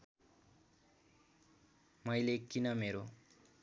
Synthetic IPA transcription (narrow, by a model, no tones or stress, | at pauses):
mʌjlekinʌmeɾo